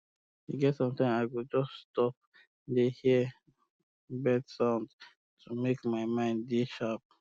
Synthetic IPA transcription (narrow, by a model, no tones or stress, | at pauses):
juɡɛtsɔ̃mtãɪ̃maɪɡud͡ʒɔsstɔp̚ | dehi | bɛdsãʊ̃nd | tʰumekmaɪmãɪ̃nddiʃap̚